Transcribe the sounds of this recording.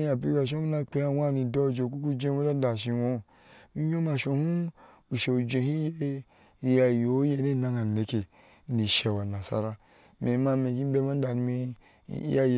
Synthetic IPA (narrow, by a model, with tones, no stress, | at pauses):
ja˨bi˧˦ɡa˧˨ʃ̬o˦mi˦na˧k͡pe˧ja˧wa˦˨ni˧dɔ˧˦˨d͡ʒe˧˨k̬u˦ku˦d͡ʒe˧˦o˦da˦da˨ʃi˧wo˧˦˨ | mi˧ɲo˦ma˧ʃo˧hu˦ | u˨ʃe˧u˧d͡ʒe˧hi˦je˦˧ | i˧ja˧˨jo˨˦je˧˨ne˦˨na˦˧ŋa˨ne˧ke˨˦ | ni˨ʃe˨wa˨na˨sa̰˧ɾa˧ | me˨˦ma˧me˧˨ki˦be˦ma˦da˨ni˧mḭ˧˦ | ja˦j